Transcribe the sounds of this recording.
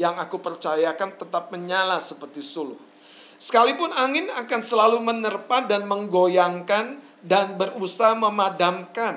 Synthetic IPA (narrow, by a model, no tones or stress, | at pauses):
jaŋakupərt͡ʃajakant̪ət̪ap̚məɲalasəpərt̪isulʊ̰h | sə̥kalipʊnaŋɪnakansəlalumənərpadanməŋɡojaŋkan | danbərusahməmadamkan